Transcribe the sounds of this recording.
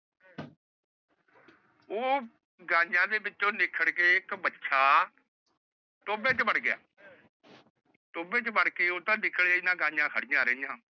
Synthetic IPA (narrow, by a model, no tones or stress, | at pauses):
oː | ɡãːd͡ʒãːd̪eːbɪtːt͡ʃːõːlɪkʰːəɽkeːɪkbətːʃʰaː | ʈoːbẽːt͡ʃbəɽɡɪja̰ː | ʈoːbẽːt͡ʃəbəɽkeːoːt̪ãːlɪkʰːəɽaːɪnãːɡãːãːkʰəɽɪjãːɾəɪjãː